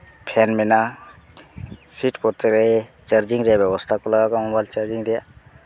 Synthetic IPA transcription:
pʰɛnmɛna | siʈkɔɾt̪eɾɛe | t͡ʃaɾd͡ʒiŋɾɛjabjɛbɔst̪ʰakɔlaɡakɔmɔbajlt͡ʃaɾd͡ʒiŋɾɛja

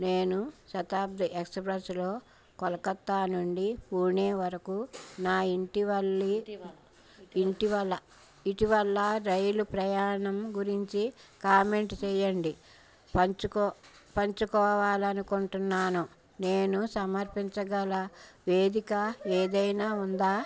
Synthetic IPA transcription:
neːnuʃɐt̪aːb̚d̪ʱiʔeksɐpɾɐslo̞ː | kɔlɐkɐt̪ːaːnuɳɖiuːɳeːʋɐɾɐkunaːiɳʈiʋɐlːi | iɳʈiʋɐlːɐ | iʈiʋɐlːɐɾɐjlupɾɐjaːɳɐmɡuɾiɲt͡ʃikaːme̞ɳʈt͡ʃɛːjɐɳɖi | pɐkːpɐɲt͡ʃukɔːʋaːlɐnukuɳʈunːaːnu | ne̞ːnusɐmɐɾpiɲt͡ʃɐɡɐlɐʋeːd̪ikɐeːd̪ɐjnaːund̪aː

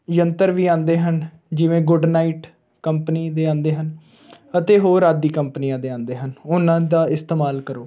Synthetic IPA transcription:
jənt̪əɾʋiːãːnd̪eːɦən | d͡ʒɪʋẽːɡʊɖnaːiːʈ | kəmpəniːd̪eːãːnd̪eːɦən | ət̪eːɦoːɾaːd̪iːkəmpniːãːd̪eːãːnd̪eːɦənʊnãːd̪aːɪst̪eːmaːlkəɾoː

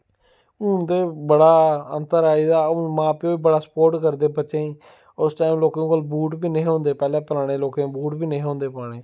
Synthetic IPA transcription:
uːd̪eːbəɽaːə̰nt̪əɾaːizaːmãːpeoːiːbəɽaːsə̥poːɾʈkəɾd̪eːbətːʃẽːĩː | ʊsʈaːɪmloːkẽkəlbuːʈbiːnəĩːɦõːnd̪eːpɛːlẽːpəlaːɽẽːloːkẽːbuːʈbiːnəĩɦõːnd̪eːplaːɽeː

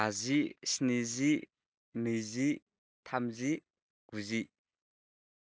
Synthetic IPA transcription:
azisnizi | mijzi | t̪ʰamzi | ɡ̥uzi

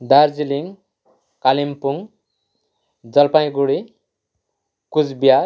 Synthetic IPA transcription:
d̪ʱaɾd͡ziliŋ | kalimpuŋ | d͡zʌlpaj̃ɡuɽi | kud͡zbija

